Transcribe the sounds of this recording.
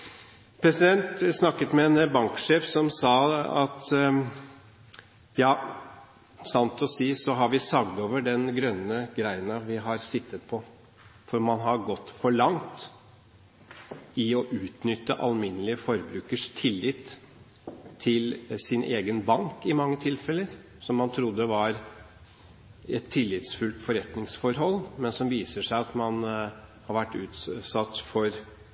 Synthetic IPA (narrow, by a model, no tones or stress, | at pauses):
pʰɾɛsɪd̪ɛnt̪snɑkːət̪mɛɛnbɑŋkʂeːfsɔmsɑːɑt̪ | jɑː | sɑnt̪ʰɔsiːsɔɦɑɾʋɪsɑɡd̪oːʋəɖɛnɡɾœnːəɡɾæɪənɑʋɪɦɑɾsɪt̪ːət̪pʰɔ | fɔɾmɑnɦɑɾɡɔt̪ːfɔɭɑŋt̪ | ɪɔʔʉːt̪nʏt̪ːəʔɑ̰lmɪnːəlɪəfɔɾbɾʉːkəʂt̪ʰɪlːɪt̪ | ɪlsɪnʔeːɡənbɑŋkɪmɑŋːət̪ʰɪlfɛlːəɾ | sɔmːɑnt̪ʰɾʊd̪ːəʋɑɾ | ɛt̪ʰːɪlːɪt̪sfʉlt̪fɔɾɛt̪nɪŋsfɔɾɦɔlːmɛnsɔmʋiːsəʂæɪɑt̪mɑnhɑɾʋæʈːʉːt̪sɑt̪ːfɔɾ